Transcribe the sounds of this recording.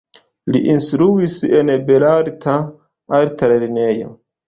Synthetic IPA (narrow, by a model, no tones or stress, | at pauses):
liʔinstɾuisenbelaɾtʰa | aɾtaɾalinejo̰